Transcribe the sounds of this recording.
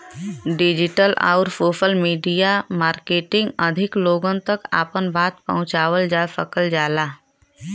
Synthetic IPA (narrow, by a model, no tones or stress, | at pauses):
ɖɪd͡ʒɪʈəla̰ːɾfoːfəlmiːɖijamaːɾkeːʈɪ̃ŋɡəd̪ʱɪkloːɡə̃nt̪əka̰ːpənbaːt̪pɐ̰ɦʊ̃t͡ʃaːwəld͡ʒaːsəkəld͡ʒaːlaː